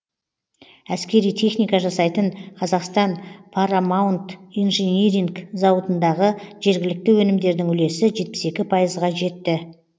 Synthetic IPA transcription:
æskʲe̞ɾijt̪ʰe̞χnijkɑʒɑsɑjt̪ənqʰɑzɑqst̪ɑnpʰɑɾamawnt̪ijnʒenʲeɾiŋɡzɑwət̪ənd̪ɑʁəʒe̞ɾɡʲɪlɪk̚t̪ɪwɵnɪmd̪e̞ɾd̪ɪŋʏle̞sɪʒe̞t̪̚pɪse̞kʲɪpʰɑjəzʁɑʒe̞t̪ːɪ

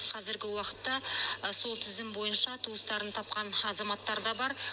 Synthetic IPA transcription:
qʰɑzɪɾɡʲɪwɑqə̥t̪ːɑso̞lˠt̪ʰɪzɪmbo̞jənʃɑt̪ʰuəst̪ɑɾənt̪ʰɑp̚qɑnɑzɑmɑt̪ːɑɾd̪ɑbɑɾ

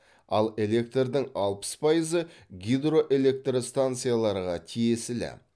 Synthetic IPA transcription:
ɑ̰lˠe̞le̞k̚t̪rd̪ɪŋɑlˠpə̥spʰɑjəzəɡʲid̪ro̞ʔe̞le̞k̚t̪rost̪ant̪sɨjalˠɑɾʁɑt̪ʰije̞sɪlɪ̰

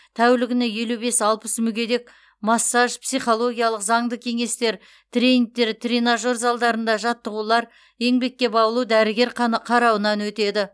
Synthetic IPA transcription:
t̪ʰæwlɪɡʲɪneje̞lube̞sɑlˠpəsmʏɡʲe̞d̪e̞k | mɑsːɑʒpsijχo̞lˠo̞ɡʲijɑlˠəqzɑɴd̪əkʲʰe̞ŋe̞st̪e̞ɾ | t̪rʲeniŋk̚t̪ːe̞ɾt̪ʰɾinaʒo̞ɾzɑlˠd̪ɑɾənd̪ɑʒɑt̪ːəʁulˠɑɾ | e̞ŋbe̞kʲːe̞bɑbəlˠud̪æɾɪɡʲe̞ɾqʰɑɾɑwənɑnwɵt̪e̞d̪ɪ

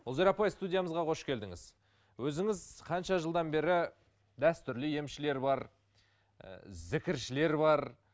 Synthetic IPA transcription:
olzeɾɑpɑjst̪udʲijaməzʁɑqʰo̞ʃkʲʰe̞ld̪ɪŋɪz̥ | wɵzɪŋɪzqʰɑnʃɑʒəlˠd̪ɑnbe̞ɾɪ | d̪æst̪ʏɾlɪje̞mʃɪle̞ɾbɑɾ̰ | zɪkʲɪɾʃɪle̞ɾbɑɾ

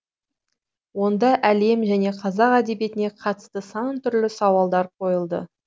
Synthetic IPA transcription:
wo̞nd̪ɑʔæle̞mʒæne̞qʰɑzɑqæd̪e̞bje̞t̪ɪne̞qʰɑt̪ə̥st̪əsɑɴt̪ʰʏɾlɪsɑwɑlˠd̪ɑɾqʰo̞jəlˠd̪ə̰

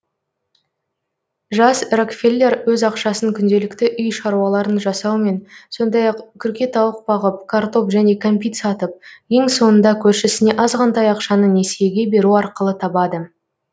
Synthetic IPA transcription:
ʒɑsrakfʲelʲːe̞rwɵzɑqʃɑsəŋkʲʰʏnd̪e̞lɪkt̪ɪʔʏjʃɑɾuwɑlˠɑɾənʒɑsɑwme̞nso̞nd̪ɑjɑqkʲʰʏɾkʲe̞t̪ɑwəq̚bɑʁəp̚kʰart̪o̞pʒæne̞kʰompʲit̪sɑt̪əp̚je̞ŋso̞nənd̪ɑkʲʰɵɾʃɪsɪne̞ʔɑzʁɑnt̪ɑjɑqʃɑnəne̞seɡʲe̞be̞ɾuɑɾqəlˠət̪ʰɑbɑd̪ə

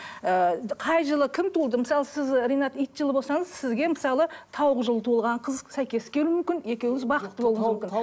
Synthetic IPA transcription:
əqʰɑjʒəlˠəkʲʰɪmt̪ʰulˠd̪əməsɑlˠəsɪzɾʲijnɑt̪ijt̪ʒəlˠəbo̞lsɑɴəzsɪzɡʲe̞məsɑlˠət̪ʰɑwʁəʒəlˠət̪ʰolˠʁɑɴqʰəzsæjkʲe̞skʲe̞ɾumʏmkʲɪne̞kʲe̞wɪzbɑqət̪ːəbo̞lˠumʏmkʲɪn

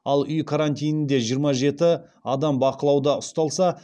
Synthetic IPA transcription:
ɑlˠʏjkʰaɾanʲt̪ʲijnɪnd̪e̞ʒijəɾmɑʒe̞t̪ɪ | ɑd̪ɑmbɑqəlˠɑwd̪ɑʊst̪ɑlˠsɑ

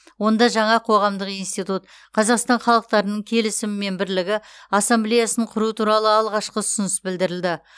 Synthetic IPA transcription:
wo̞nd̪ɑʒɑɴɑqʰo̞ʁɑmd̪əqijnst̪ijt̪ut̪ | qʰɑzɑqst̪ɑnχɑlˠəq̚t̪ɑɾənəɴkʲʰe̞lɪsɪmɪme̞nbɪɾlɪɡʲɪɑsːemblejasənəɴqʰʊɾuət̪ʰuɾɑlˠəɑlˠʁɑʃqəʊsʊnəsbɪld̪ɪɾɪld̪ɪ

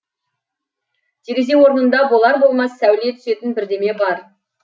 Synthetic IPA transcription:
d̪̥ʰeɾʲeze̞ŋwo̞ɾnənd̪ɑbo̞lˠɑɾbo̞lˠmɑsːæwlet̪ʰʏse̞t̪ɪnbɪɾd̪e̞me̞bɑɾ

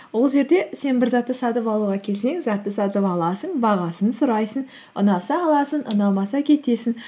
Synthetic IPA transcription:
wo̞lˠʒe̞ɾd̪e̞se̞nbɪɾzɑt̪ːəsɑt̪əpɑlˠuʁɑkʲʰe̞lse̞ŋzɑt̪ːəsɑt̪əpɑlˠɑsəɴbɑʁɑsənsʊɾɑjsəŋ | ʊ̰nɑsɑːlˠɑsənʔənɑw̪ˠmɑsɑkʲʰe̞t̪e̞sɪn

